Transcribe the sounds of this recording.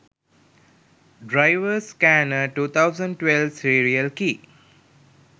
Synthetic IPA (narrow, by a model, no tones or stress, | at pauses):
ɖɾaɪʋəskænəʈuːt̪ʰaʊzə̃ɳɖʈʋelʋsiɾiəlkiː